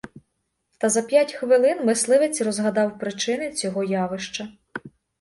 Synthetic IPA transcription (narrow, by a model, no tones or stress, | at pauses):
t̪ɐzɐpʲjatʲxʋɪlˠɪnmɪslˠɪʋet͡sʲrɔzɦɐd̪ɑwpɾɪt͡ʃɪnɪt͡sʲɔɦɔjaʋɪʃt͡ʃɐ